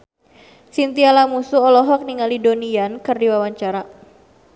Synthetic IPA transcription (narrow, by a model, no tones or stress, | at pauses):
sint̪ialamusuɔlɔɦɔk̚niŋalidoniankɨrdiwawaɲt͡ʃaɾa